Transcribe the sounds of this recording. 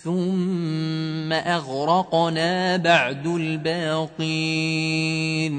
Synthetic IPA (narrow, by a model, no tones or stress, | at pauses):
θʊmː | aʔaɣɾˤɑqnaːbaʕd̪albaːqiː | n